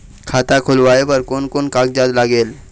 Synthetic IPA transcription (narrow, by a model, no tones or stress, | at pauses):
kʰat̪akʰulʋajbəɾkonkonkak̚d͡ʑat̪laɡel